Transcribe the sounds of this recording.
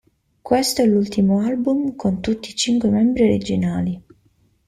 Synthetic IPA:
kwest̪oɛlːult̪imoalbumkʰont̪ut̪ːiːt͡ʃiŋkwemɛmbɾioɾed͡ʒinaːli

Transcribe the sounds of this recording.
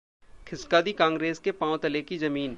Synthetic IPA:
kʰɪskaːd̪ikãːŋɡɾeːskepãːʊ̃t̪ɐlekizɐmiːn

